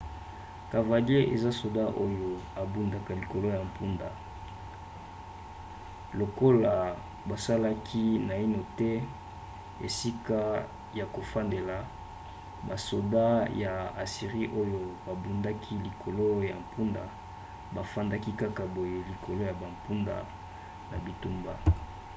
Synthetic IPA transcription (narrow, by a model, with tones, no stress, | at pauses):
ka˨va˨li˦e˦ʔḛ˨za˦so˨da˦ʔo˦jo˨a˨bu˨nda˨ka˨li˨ko˨lo˦ja˨m̩˨pu˦nda˨ | lo˨ko˦la˨ | ba˨sa˦la˦kʰi˦na˨i˦no˨tɛ˦ | ḛ˨si˦ka˦ | ja˨ko˨fa˦nde˨la˨ | ba˨so˨da˦ja˨a˨si˨ʁi˦ʔo˦jo˦ba˨bu˨nda˦kʰi˦li˨kʰo˨lo˦ja˨m̩˨pu˦nda̰˨ | ba˨fa˦nda˦ki˦ka˦ka˨bo˨je˦li˨kʰo˨lo˦ja˨ba˨mpu˦nda̰˨ | na˨bi˨tu˦mba˨